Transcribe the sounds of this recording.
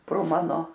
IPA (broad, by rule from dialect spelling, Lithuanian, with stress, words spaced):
proː ˈmɑːnoː